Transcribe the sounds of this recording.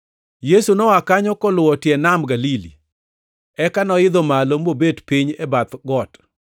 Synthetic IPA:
jesunɔwakaɲɔkɔlʊwɔtɪɛnamɡalilḭ | ɛkanɔɪd̪omalomobedpiɲɛbat̪ɡɔt

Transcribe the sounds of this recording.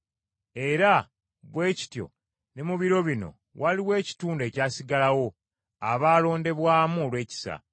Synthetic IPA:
e̞ɾa | βwe̞ːci̥tjo̞̰ | ne̞muβiɾo̞βino̞̰ | waliwe̞ːci̥tuːnde̞ːcaːsiɡalawo̞ | aβaːlo̞ːnde̞βwaːmuolwe̞ːci̥sa̰

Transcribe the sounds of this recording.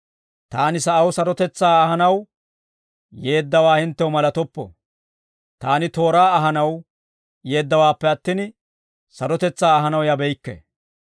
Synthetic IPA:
t̪aːnɪsɐʔɐwsɐɾɔt̪ɛt͡sːaːɐhɐnɐw | je̞ːd̪ːɐwaːhɪnt̪ːɛwmɐlɐt̪ɔpːɔ̰ | t̪aːnɪt̪o̞ːɾaːɐɦɐnɐw | je̞ːd̪ːɐwaːpːɛɐt̪ːɪn | sɐɾɔt̪ɛt͡sːaːɦɐnɐwjɐbɛjkːɛ̰

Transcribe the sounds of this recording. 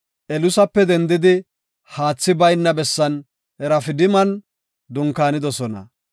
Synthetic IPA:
ʔɛlʊsɐpːɛd̪ɛnd̪ɪd̪ɪ | haːt͡sːɪbɐjnːɐbɛsːɐn | ɛɾɐfɪd̪ɪmɐn | d̪ʊŋkaːnɪd̪ɔsɔnɐ̰

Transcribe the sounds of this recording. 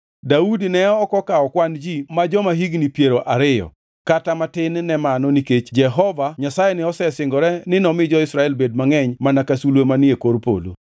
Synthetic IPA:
daudinɛɔːkɔkaɔkwand͡ʒimad͡ʒɔmaɦiɡnipjeɾoʔaɾɪjɔ̰ | katamatɪnːɛmanɔniket͡ʃd͡ʒɛɦɔvaɲasajenɪɔsɛsɪŋɡɔɾɛnɪnɔmɪd͡ʒɔɪsɾaɛlbed̚maŋɛɲmanakasulwemanɪekoɾpo̰lo̰

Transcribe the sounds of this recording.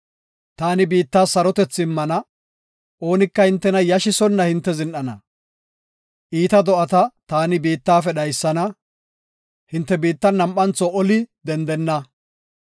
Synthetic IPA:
t̪aːnɪbiːt̪ːaːsːɐɾɔt̪ɛt͡sːɪmːɐnɐ | ʔo̞ːnɪkːɐhɪnt̪ːɛnɐjɐʃɪsɔnːɐhɪnt̪ːɛzɪnɗɐnɐ | ʔiːt̪ɐd̪ɔʔɐt̪ɐt̪aːnɪbiːt̪ːaːfɛɗɐjsːɐnɐ | hɪnt̪ːɛbiːt̪ːɐnːɐmɐnt͡sɔʔɔlɪd̪ɛnd̪ɛnːɐ

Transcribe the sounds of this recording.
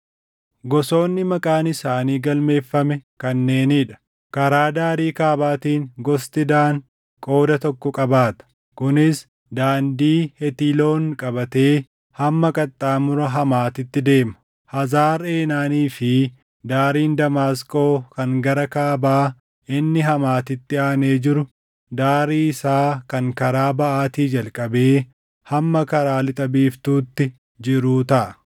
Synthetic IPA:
ɡɔso̞ːnːɪmɐkʼaːnɪsaːniːɡɐlme̞ːfːɐmɛkɐnːe̞ːniːᶑɐ̥ | kɐɾaːd̪aːɾiːkaːbaːt̪iːŋɡɔst̪ɪd̪aːŋ | kʼo̞ːd̪ɐt̪ɔkːɔkʼɐbaːt̪ɐ̥ | kʊnɪs | d̪aːnd̪iːhɛt̪iːlo̞ːnkʼɐbɐt̪e̞ː | hɐmːɐkʼɐt̪ʼːaːmʊɾɐɦɐmaːt̪ɪt̪ːɪd̪e̞ːmɐ̥ | hɐzaːɾe̞ːnaːniːfɪ | d̪aːɾiːnd̪ɐmaːskʼo̞ːkɐŋɡɐɾɐkaːbaː | ɪnːɪɦɐmaːt̪ɪt̪ːɪaːneːd͡ʒɪɾʊ | d̪aːɾiːɪsaːkɐŋkɐɾaːbɐʔaːt̪iːd͡ʒɐlkʼɐbe̞ː | hɐmːɐkɐɾaːlɪt̪ʼɐbiːft̪uːt̪ːɪ | d͡ʒɪɾuːt̪ɐʔɐ

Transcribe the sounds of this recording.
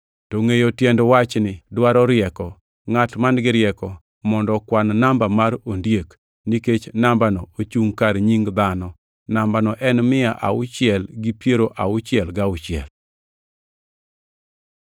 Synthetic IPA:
toŋejotjɛndwat͡ʃnɪdwaɾɔɾɪɛkɔ | ŋatmanɡɪɾɪɛkɔ | mɔndɔkwannambamaɾondjek | niket͡ʃnambanɔot͡ʃuŋkaɾɲiŋd̪anɔ | nambanɔʔɛnmɪaʔa̰ʊt͡ʃɪɛlɡipjeɾoʔaʊt͡ʃɪjɛlɡaʊt͡ʃɪɛ̰l

